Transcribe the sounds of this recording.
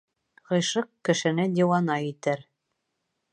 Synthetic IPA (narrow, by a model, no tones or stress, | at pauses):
ʁɤ̆jʃɤqkɘ̆ʃɘ̆nɘd̪ʲiwɑnɑit̪ɘɾ